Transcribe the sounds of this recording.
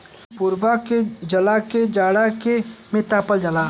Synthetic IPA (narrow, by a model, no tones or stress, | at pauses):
pʊɾbaked͡ʒɐlaked͡ʒaːɽakemɪt̪aːpəld͡ʒəlaː